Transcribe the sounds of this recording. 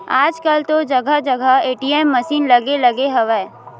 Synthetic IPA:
aːd͡ʒkəlt̪od͡ʒəɡʱəd͡ʒəɡʱəeːʈiemːəʃiːnlɐɡelɐɡeɦɐʋɛː

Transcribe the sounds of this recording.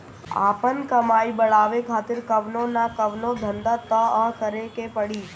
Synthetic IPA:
a̰ːpənkəmaːibəɭaːʋekʰaːt̪ɪɾkəʋnonakəʋnod̪ʱənd̪at̪əɐɦkəɾekepəɽiː

